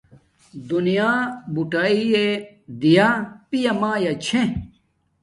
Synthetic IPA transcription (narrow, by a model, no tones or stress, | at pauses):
d̪unijaːbuʈaːie | d̪ijapijɐmaːjɐt͡ɕʰẽ